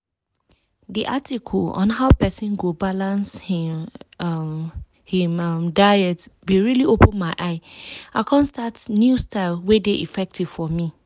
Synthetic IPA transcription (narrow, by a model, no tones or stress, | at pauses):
diʔatʰikʰɔlɔ̰̃nɦaʊpɛsĩnɡobalãnsh | hĩmmdaɛtbeɹiliopʰə̃nmaɪʔaɪakʰɔ̃nstatnjustʰaɪlwedeʔifɛk̚tʰiv̥fɔmĩ